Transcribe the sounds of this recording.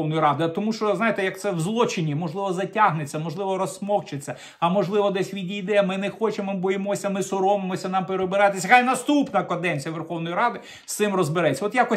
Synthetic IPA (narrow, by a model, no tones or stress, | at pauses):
ɔwnɔjiɾɑd̪ɪɐt̪ɔmuʃt͡ʃɔznɑjet̪ejɐk̚t̪sɛwzlˠɔt͡ʃɪnʲimɔʒlˠɪʋɔzɐtʲaɦnet͡sʲːɐmɔʒlˠɪʋɔɾɔsmɔxt͡ʃet͡sʲːɐ | ɐmɔʒlˠɪʋɔd̪ɛsʲʋʲidʲijd̪ɛjɐmɪnɛxɔt͡ʃembɔjemɔsʲɐmɪsʊɾɔmemɔsʲɐnɑmpeɾebɪɾɑt̪esʲɐxɑjnɐst̪upnɐkɐd̪ɛnʲt͡sʲijɐʋerxɔwnɔjiɾɑd̪ɪ | sɪmrɔzbɪɾɛt͡sʲːɐɔt̪jakɔ